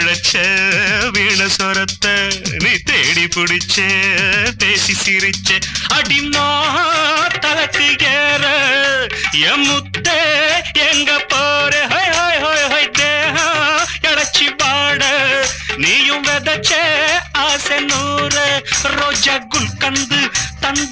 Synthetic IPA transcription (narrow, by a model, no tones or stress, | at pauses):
ɽɐt͡ʃːeʋiːɳɐsɐɾɐt̪ːɐniːt̪eːɽipuɽit͡ʃːep̪eːsisiɾit͡ʃːeɐɖimaːɦɐt̪ɐlɐt̪iɡeːɾɐ | jemut̪ːeɛŋɡɐpoːɾeɦoːjɦoːjɦoːjɦoːjd̪eːɦãɛɽɐt͡ʃːibaːɽɐniːjɯ̃ʋɛðɐt͡ʃːeaːsɛnuːɾɐɾod͡ʒɐɡʊɭkɐnd̪ɯt̪ɐn